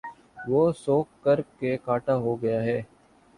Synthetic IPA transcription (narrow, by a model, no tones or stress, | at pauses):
ʋoːsoːkːəɾkekaːʈaɦoɡɐjaɦɛː